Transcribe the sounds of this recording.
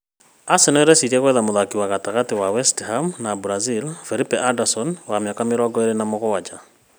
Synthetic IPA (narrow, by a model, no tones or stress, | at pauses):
asenoɛɾɛsiɾiɛɣwɛðamoðakiwaɣataɣatiwawɛsthamnabuɾazilfelipeʔadasɔnwamjakameɾɔɡɔeɾenamoɣowat͡ʃa